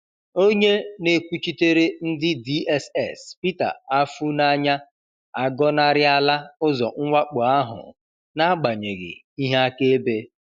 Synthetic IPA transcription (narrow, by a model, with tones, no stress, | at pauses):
o˦ɲe˦ne˨kʷu˦t͡ʃi˦te˦ɾe˦n̩˦dɪ˦di˦ʔɛ˦sɛ˨spi˦ta̰˨a˦fu˦na˦ɲa˦ | a˨ɡɔ˦na˦ɾɪ˦a˦la˦ʊ˦zɔ˨ŋ̩˦wʷa˦k͡pʊ˨a˦ɦʊ̰˨ | na˦ɡ͡ba˨ɲe˨ɡɪ̰˨ | i˦ɦe˦a˦ke˦e˦be˦